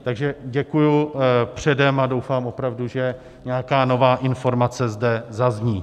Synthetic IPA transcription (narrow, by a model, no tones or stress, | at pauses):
t̪aɡʒɛɟɛkujupr̝̥ɛdɛmado̞wfaːmʔo̞pɾavduʒɛ | ɲɛjakaːno̞vaːʔɪnfo̞ɾmat͡sɛzdɛzazɲiː